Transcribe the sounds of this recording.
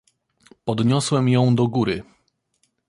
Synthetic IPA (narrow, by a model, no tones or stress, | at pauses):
pɔd̪ɲɔswɛmjɔ̃w̃d̪ɔɡuɾɘ